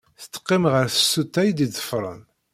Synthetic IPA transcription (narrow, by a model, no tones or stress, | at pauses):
θə̥t̪ːə̥qːɪmʁəɾθə̥sːut̪ːæjd̪iðə̥fɾˤə̰n